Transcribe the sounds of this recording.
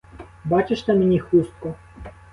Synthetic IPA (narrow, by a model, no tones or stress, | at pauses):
bɑt͡ʃeʃt̪ɛmenʲixust̪̚kɔ